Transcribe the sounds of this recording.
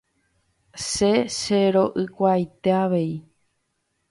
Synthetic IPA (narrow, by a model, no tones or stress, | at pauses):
ʃe̞ʃeɾo̞ʔɨkʷajt̪e̞aʋe̞i